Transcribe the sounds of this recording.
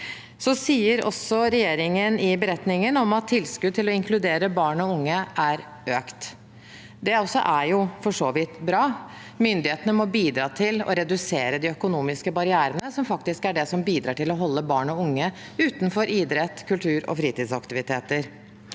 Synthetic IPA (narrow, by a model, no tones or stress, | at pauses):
sɔsiːəɾɔ̰sɔɾɛjeːɾɪŋənɪbəɾɛt̪nɪŋənɔmɑt̪ʰːɪlskʉd̪̚t̪ɪlɔɪŋklʉd̪eːɾəbɑːɳɔʊŋːəʔæɾ | øːkt̪ | d̪ɛɔsːɔ̰ʔæɾjʊfɔʂoːʋɪt̪bɾɑː | mʏnd̪ɪheːt̪ənəmɔbiːd̪ɾɑːt̪ʰɪlɔ̰ɾɛd̪ʉseːɾəd̪ɪœkʊnuːmɪskəbɑɾɪæːɾənəsɔmfɑk̚t̪ɪskæɖɛsɔmbiːd̪ɾɑ̰ːʈɪlɔɦɔlːəbɑːɳɔʊŋːə | ʉːt̪nfɔɾʔiːd̪ɾɛt̪ːkʰʉlt̪ʰʉːɾɔ̰fɾiːt̪iːd̪sɑkt̪ɪʋɪt̪ʰeːt̪əɾ